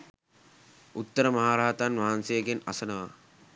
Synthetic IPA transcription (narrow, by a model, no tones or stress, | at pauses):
ut̪ːəɾəmɐɦaːɾaɦat̪anʋaɦansejəɡena̰sənəʋa̰